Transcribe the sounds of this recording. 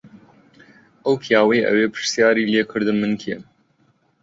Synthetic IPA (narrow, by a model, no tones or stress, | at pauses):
ʔɐwpʰijaːwɐjʔɐ̰weːpʰɨ̥sjaːɾiːleːkʰɨɾd̪ɨnmɨnkʰem